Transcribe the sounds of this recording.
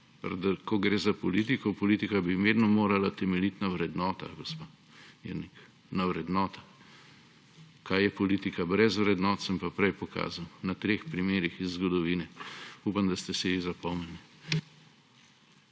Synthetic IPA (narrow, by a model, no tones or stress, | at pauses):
pɾad̪akɔɡɾeːzapɔlit̪ikɔpɔliːt̪ikabiʋeːd̪nɔmoːɾalat̪ɛmɛlit̪nawɾɛd̪nɔːt̪a̰ɡospa | ḭɾnik | nawɾɛd̪nɔːt̪ḁ | kʰajjɛpɔliːt̪ikabɾɛzʋɾɛd̪nɔːt̪səmpapɾɛjpɔka̰ːzawnat̪ɾexpɾimeːɾixizːɡɔd̪ɔʋiːnɛupamd̪ɐst̪ɛsiʋizapɔmɛni